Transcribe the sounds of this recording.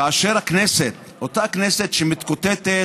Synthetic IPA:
aːʃeʁakneset̪ | ot̪akneset̪ʃemit̪kot̪et̪e

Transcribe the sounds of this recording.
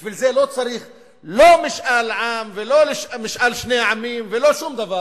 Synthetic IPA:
biʃvilze̞lo̞t͡saɾiχ | lo̞miʃʔalʕamvelo̞leʃmiʃʔalʃne̞ʕamimve̞lo̞ʃumd̪ava

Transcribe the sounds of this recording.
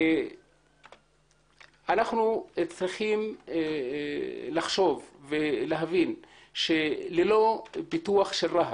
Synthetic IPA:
anaχnut͡sʁiχim | laχʃo̞vveleɦavin | ʃelelo̞bituaχʃelʁaɦ

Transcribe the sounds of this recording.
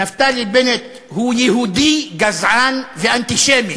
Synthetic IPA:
naft̪aɾibɛnet̪ | hujɛhud̪iɡazʕanvɛʔant̪iʃeːmi

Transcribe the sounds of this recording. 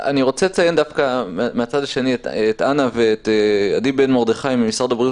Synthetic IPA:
a̰niʁo̞t͡selet͡sajend̪afkammeat͡sadaʃe̞nietetanaveːtjadibenmo̞ʁd̪eχajmemisʁaʁd̪abʁi

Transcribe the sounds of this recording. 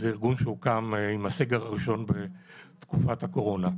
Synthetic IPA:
zeiʁɡunʃeukamimaseɡeʁaʁiʃo̞nbet̪kufat̪hako̞ʁo̞na

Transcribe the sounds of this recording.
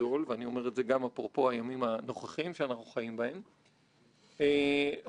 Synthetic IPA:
o̞lveanio̞me̞ʁetze̞ɡamapʁopo̞hajamimano̞χaχimʃeanaχnuχajimbae̞m | e

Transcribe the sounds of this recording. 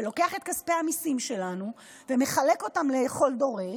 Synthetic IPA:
lo̞ke̞aχet̚kaspeamisimʃe̞lanu | vemeχaleko̞tamleχo̞ldo̞ʁe

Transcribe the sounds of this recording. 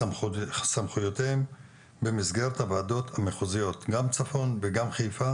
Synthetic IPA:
samχujo̞teem | bemizɡe̞ʁet̪havaːdo̞thameχuzijo̞tɡamt͡safo̞nveɡamχejfa

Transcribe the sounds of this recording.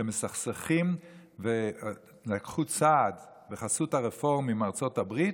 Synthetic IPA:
emesaχseχim | ve | lakχut͡saːd | beχasutaʁefo̞ʁmimaʁt͡so̞tabʁit

